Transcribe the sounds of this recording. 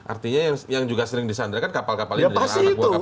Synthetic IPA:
ʔa̰rt̪iɲajaŋjaŋd͡ʒuɡasəɾɪŋdisand̪ɾakankapalkapalɪdasaiat̪ua

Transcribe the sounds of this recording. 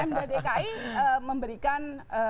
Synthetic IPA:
andad̪ekaiəməmbəɾikanə

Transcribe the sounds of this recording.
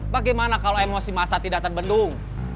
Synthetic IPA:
baɡajmanakaloemosimasat̪idaʔ̚t̪ərbəndʊŋ

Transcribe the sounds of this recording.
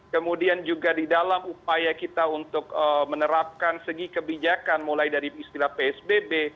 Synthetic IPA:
kəmudiand͡ʒuɡadidalamup̚ajakit̪aunt̪ʊkəmənəɾap̚kansəɡikəbid͡ʒakanmulajdaɾiist̪ilahpeɛsbebe

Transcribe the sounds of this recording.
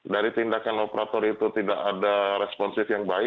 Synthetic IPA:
daɾit̪indakanopɾat̪ɔɾit̪ut̪idaʔadaɾɛspɔnsɪfjaŋbaɪ

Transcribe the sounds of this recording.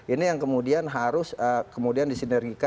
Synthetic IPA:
ʔinijaŋkəmudianɦaɾʊsəkəmudiandisinɛrɡika

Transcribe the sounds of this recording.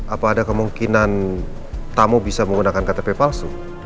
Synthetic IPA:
ʔapaːdakəmuŋkinan | t̪amobisaməŋɡunakankat̪epepalsu

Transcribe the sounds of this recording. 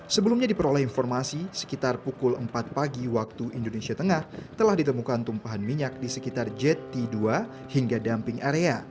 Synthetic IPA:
səbəlumɲadipəɾolɛhinfɔrmasisə̥kit̪arpukʊləmpat̪̚paɡiwak̚t̪uindonesiat̪əŋaht̪əlahdit̪əmukant̪umpaɦanmiɲak̚disəkit̪ard͡ʒɛt̪ːidua | hiŋɡadampɪŋaɾea

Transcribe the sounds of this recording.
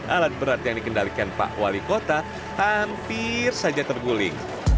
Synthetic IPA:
ʔalat̪̚bəɾart̪ijaŋdikəndalikanpa̰ʔwalikot̪a | hampɪrsad͡ʒat̪ərɡulɪ̰ŋ

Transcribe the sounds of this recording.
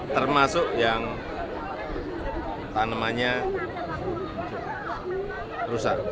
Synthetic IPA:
t̪ərmasʊʔjaŋ | t̪anəmaɲa | t̪ʊʔ | rusaʔ

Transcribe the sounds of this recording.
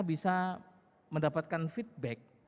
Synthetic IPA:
bisa | məndapat̪̚kanfit̪̚bɛk̚

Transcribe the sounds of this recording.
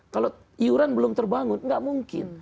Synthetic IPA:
kalo | iuɾanbəlʊmt̪ərbaŋʊnŋɡaʔmuŋkɪ̰n

